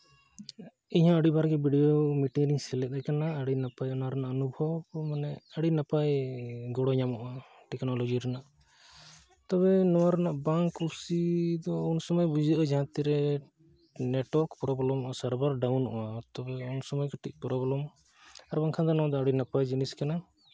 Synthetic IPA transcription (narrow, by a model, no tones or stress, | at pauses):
iɦɔ̃əɽibaɾɡɛbiɖijomiʈiŋɾiŋsɛlɛt̪̚ajkanaəɽinapajɔnaɾɛnaʔɔnubʱɔbmanɛəɽinapajɡɔɽɔɲamɔʔa | ʈɛknɔlɔd͡ʒiɾanaʔ | t̪ɔβɛnɔwaɾanaʔbaŋkuɾsid̪ɔunsɔmɔjbud͡ʒiʔad͡ʒaɦãt̪iɾɛ | nɛʈwɔɾkpɾɔblɔmɔʔasaɾbaɾɖawnɔ̰ʔɔ̰ʔat̪ɔbɛunsɔmɔjkaʈic̚ˀpɾɔblɔm | aɾbaŋkʰad̪ɔnɔwad̪ɔaɽinapajd͡ʒiniskana